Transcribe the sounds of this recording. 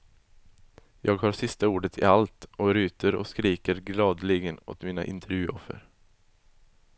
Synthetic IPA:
jʔɑːɡhɑːsɪst̪əuːɖət̪ʰɪ̰alt̪ɔɾyːt̪ʰəɾɔ̰skɾiːkəɾɡlɑːd̪liːɡənɔ̰t̪miːna̰ʔɪ̰nt̪ʰəɾjʉːɔfə̰ɾ

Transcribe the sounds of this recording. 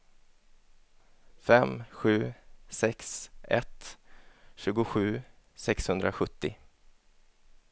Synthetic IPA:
fɛmɧʉ̟ːsɛksɛ̰t̪ | ɕʉ̟ːɡʊɧʉ̟ː | sɛkshɵnd̪ɾaɧɵt̪ːɪ

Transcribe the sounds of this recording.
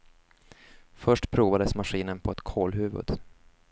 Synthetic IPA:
fœʂʈpʰɾuːvad̪əsmaɧiːnənpʰɔɛt̪kʰoːlɦʉ̟ːvɵ̰d̪̥

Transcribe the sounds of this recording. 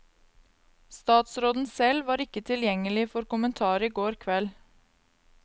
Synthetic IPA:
st̪ɑːt̪sɾoːd̪n̩sɛlʋɑːɾɪkət̪ʰɪljɛŋəlɪfɔɾkʊmənt̪ʰɑːɾəiɡoːɾkʰʋɛl

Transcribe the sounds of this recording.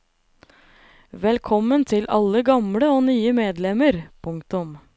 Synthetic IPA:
ʋɛlkʰɔmːənt̪ʰɪlɑlːəɡɑmɽəoːnyːəmeːd̪lɛməɾpʰʊŋkt̪ʊm

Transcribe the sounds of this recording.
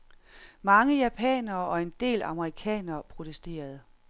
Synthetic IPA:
mɑ̈ŋəjæpʰɛ̰ːnɐːʔɒ̽e̝nd̥e̝̰ːlɑ̈məʁikʰɛ̰ːnɐːpʰʁo̝t͡sʰesd̥e̝̰ːɐð̞̩ˠ

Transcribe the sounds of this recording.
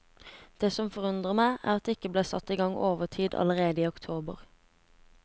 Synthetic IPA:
d̪̥eːsɔmfɔʁʉnd̪ʁəmæɪʔæ̰ʁɑt̪̚d̪eːɪkːəbleːsɑ̰t̪ːiːɡɑŋoːʋəʁʈʰiːd̪ɑ̰ləʁeːd̪əiːʊkt̪ʰoːbə̰ʁ

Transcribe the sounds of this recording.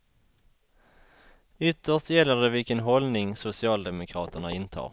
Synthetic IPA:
ʏt̪ːəʂtjɛlːəd̪ɛvɪlkənɦɔlnɪŋsʊsɪɑːld̪ɛmʊkʰɾɑːt̪əɳaɪnt̪ʰɑ̰ːɾ

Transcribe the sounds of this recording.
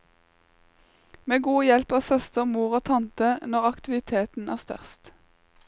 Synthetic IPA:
meːɡuːjɛlpɑːsœst̪əmuːʁoːt̪ʰɑnt̪ənɔʁɑkt̪ɪʋɪt̪ʰeːt̪n̩æ̰ːʁst̪œ̰ʁst̪

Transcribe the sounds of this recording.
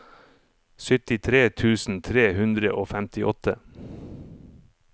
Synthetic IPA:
sʏt̪ɪt̪ʰɾeːt̪ʰʉːsn̩t̪ʰɾeːhʉnd̪ɾəʔoːfæmt̪ɪʔɔt̪ʰə

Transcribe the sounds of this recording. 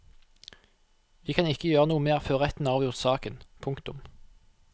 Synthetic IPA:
ʋiːkʰɑnɪkəjøːʁənuːəmeːʁføːʁɛt̪n̩ɑːʋjʊʁt̪sɑːkənpʰʊŋkt̪ʊm

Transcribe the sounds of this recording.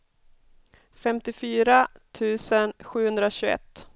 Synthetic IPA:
fɛmt̪ɪfyːɾat̪ʰʉ̟ːsənɧʉ̟ːhɵnd̪ɾaɕɵɛ̰t̪ː

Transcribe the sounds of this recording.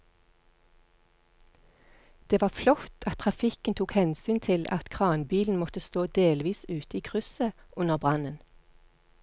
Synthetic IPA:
d̪̥eːʋɑːflɔt̪ʰɑt̪ʰʁɑfɪkənt̪ʰuːkhɛnsyːnt̪ʰɪlɑ̰t̪kʰʁɑːnbiːln̩mɔt̪əst̪oːd̪eːlʋiːsʉːt̪əiːkʰʁʉsə | ʔʉnəʁbʁɑnən

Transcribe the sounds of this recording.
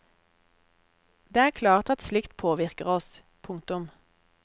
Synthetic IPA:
d̪eːæːʁkʰlɑːʁt̪ɑt̪slɪkt̪pʰoːʋɪʁkəʁɔs | pʰʊŋkt̪ʊm

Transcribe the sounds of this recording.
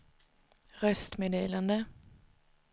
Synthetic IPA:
ʁœst̪meːd̪eːland̪ə

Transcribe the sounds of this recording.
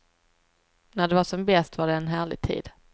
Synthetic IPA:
næɖɛvaʂɔmbɛst̪vaɖɛːnɦæːɭɪ̰ɡ̚t̪ʰḭːd̪̥

